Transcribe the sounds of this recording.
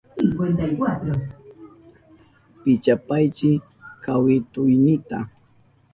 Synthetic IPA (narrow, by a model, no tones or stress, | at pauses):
iwend̪ajwat̪ɾa | pɪt͡ʃapajt͡ʃɪ | kawɪt̪ʊjnɪt̪a̰